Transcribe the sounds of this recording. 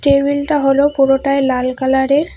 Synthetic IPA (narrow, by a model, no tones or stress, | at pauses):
teɹbiltaɦolopuɹotajlalkalaɹɛ